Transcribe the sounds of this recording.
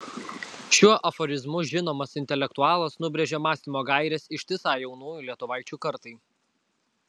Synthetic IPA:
ʃʲuɔʔɐfɔɾʲɪzmʊʒʲɪnoːmɐsɪnʲt̪ʲɛlʲɛkt̪ʊɑːlˠɐsnʊbʲɾʲɛʒʲɛmɑːsʲɪmoːɡɑˑɪɾʲɛsɪʃʲt̪ʲɪsɑːjɛʊnuːjulʲiɛt̪ʊʋɑˑɪt͡ʃʲuːkɐɾt̪ɐɪ

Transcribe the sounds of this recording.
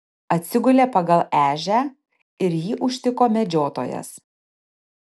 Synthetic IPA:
ɐt̪ʲsʲɪɡʊlʲeːpɐɡɐlˠæːʒʲæ | ɪɾjiːʔʊʃʲt̪ʲɪkoːmʲɛd͡ʒʲoːt̪o̰ːjɛ̰s

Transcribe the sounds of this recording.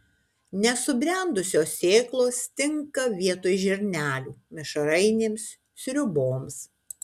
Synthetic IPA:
nʲɛsʊbʲɾʲɛˑnd̪ʊsʲoːsʲeːklˠoːst̪ʲɪŋkɐʋʲiɛt̪oːjʒʲɛɾʲnʲæːlʲuːmʲɪʃɐɾɐɪnʲeːms | sʲɾʲʊboːms

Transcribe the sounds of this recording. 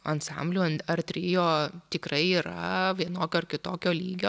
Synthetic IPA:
ɐnt̪sɑ̰mʲbʲlʲuːɐnɐrt̪ʲɾʲɪːjoːt̪ʲɪkrɐɪiːɾɐ̰ʋʲiɛnoːkʲoːɐrkʲɪt̪oːkʲoːlʲiːɡʲoː

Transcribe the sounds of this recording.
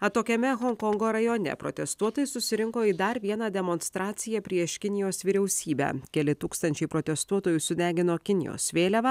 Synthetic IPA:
ɐt̪oːkʲɛmʲɛɣɔŋkɔŋɡoːɾɐjoːnʲɛ̰pɾo̰t̪ʲɛst̪uɔt̪oːjsʊsʲɪɾʲɪŋkoːid̪ɐɾʋʲiɛnɑːd̪ʲɛmoːnst̪ɾɑːt̪sʲɪjɛpʲɾʲiɛʃkʲɪnʲɪjoːsʋʲiɾʲɛʊsʲiːbʲæ̰ːkʲɛlʲɪt̪uːkst̪ɐnʲt͡ʃʲɛɪpɾoːt̪ʲɛst̪uɔt̪oːjʊsʊd̪ʲæːɡʲɪnoːkʲɪnʲɪ̰jo̰ːsʋʲeːlʲɛʋɐ

